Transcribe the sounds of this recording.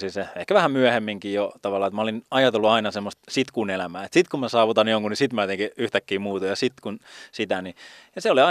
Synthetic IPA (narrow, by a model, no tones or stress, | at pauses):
sinseehkæʋæhæmmyæhemːiŋkiːjot̪ɑʋɑlːˑɑːet̪mæolinɑjɑt̪elːuɑinɑsemːost̪sit̪kuːnelæmæːet̪sit̪kumæsɑːʋut̪ɑnjoŋkunisit̪mæːt̪eŋkiyht̪ækːiːmuːt̪ɑjɑsit̪kunsit̪ænijɑseoliɑ